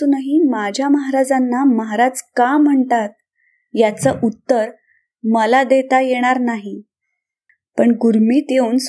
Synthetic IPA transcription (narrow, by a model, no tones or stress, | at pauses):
unaɦimad͡ʑʱjaməɦaɾad͡zanːaməɦaɾad͡zkam̤əɳt̪at̪̚ | jat͡səʔut̪ːəɾ | məlad̪et̪ajeɽ̃aɾnaɦi | pəɳɡuɾmiːt̪jeuns